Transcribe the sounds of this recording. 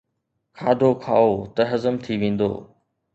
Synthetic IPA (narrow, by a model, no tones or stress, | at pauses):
kʰaːd̪ʱokʰaːot̪ɐɦɐzəmt̪ʰiʋẽːn̆d̪o̰ː